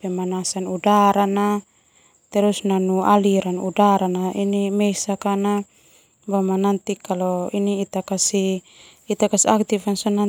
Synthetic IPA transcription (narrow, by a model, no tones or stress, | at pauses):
pɛmanasanudaɾana | t̪ɛɾusnanualiɾanṵdaɾanaʔinimɛsakana | bamanant̪ikːalɔiniːt̪akasiː | t̪akasiak̚t̪ifansɔna